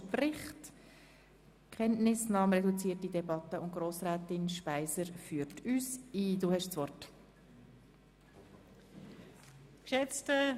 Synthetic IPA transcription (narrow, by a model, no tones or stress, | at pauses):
pɾɪχt | kχɛnnɪsnɑːmɾɛdut͡siːərtidɛbɑtəʊnt̚ɡ̥ɾoːsɾæːtɪnʃpaɪsəɾfyːɾtʰyːsiːduːhɛʃsʋɔrt | kʃɛt͡stə